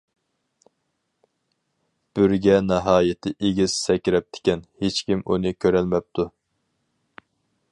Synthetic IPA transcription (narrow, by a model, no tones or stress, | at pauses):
b̥yɾɡʲɛnɛɦɑːjɪt̪ʰɪʔeɡʲiz̥sɛkʲɾɛp̚t̪ʰɪ̥kʲɛnhet͡ʃkʲimʔṵnɨkʲʰøɾɛlmɛp̚t̪ʰu